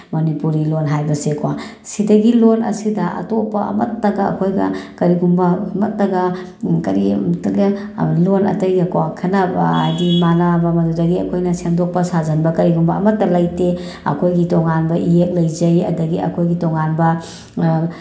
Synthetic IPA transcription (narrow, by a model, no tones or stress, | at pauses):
mɐnipuɾilonɦajbɐsekwa | sidɐɡilonɐ̰sidɐʔɐ̰topːɐɐ̰mɐ̰tːɐɡɐɐ̰kʰojɡɐ̰kɐɾiɡumbɐmɐtːɐɡɐ | kɐɾitɐɡɐ | lonɐ̰tɐjɡɐkowakʰɐnɐb̰a̰jdimanabɐmɐdudɐɡiɐ̰kʰojnɐsendok̚pɐsazɐnbɐkɐɾiɡumbɐɐmɐtːɐlɐjteɐ̰kʰojɡitoŋanbɐʔiek̚lɐjzɐjɐ̰dɐɡiɐ̰kʰojɡitoŋanbɐ